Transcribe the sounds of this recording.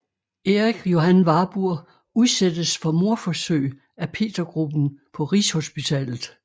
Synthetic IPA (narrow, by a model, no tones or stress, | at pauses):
e̝ʁiɡ̥jo̝hænʋɑ̈b̥uɐ̰ | uðˠsed̥əsfɒ̽mo̝ɐfɒ̽søɪ̰ | æpʰe̝̰ːd̥ɐɡ̥ʁub̥n̩pʰɒ̽ʁisho̝sb̥it͡sʰɛ̰ːlð̩ˠ